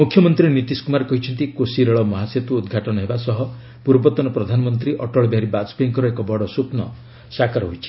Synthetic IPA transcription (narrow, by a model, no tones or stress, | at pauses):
mukʰːjɔmɔnt̪ɾinit̪iskumaɾekɔɦit͡ʃʰɔnt̪ikosiɾɔɭɔmɔɦaset̪uːd̪ɡʱaʈɔnɔɦebasɔɦɔ | puɾbɔt̪ɔnɔpɾɔd̪ʱanɔmɔnt̪ɾiʔɔʈɔɭɔbeɦaɾibasbeŋkɔɾɔekɔbɔɽɔsupnɔ | sakaɾɔɦojt͡ʃʰi̥